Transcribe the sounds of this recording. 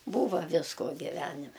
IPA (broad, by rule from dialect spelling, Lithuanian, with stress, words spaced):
ˈbuːʋɐ ˈʋʲɪskoː ɡʲɪˈʋʲæːnʲɪmʲɛ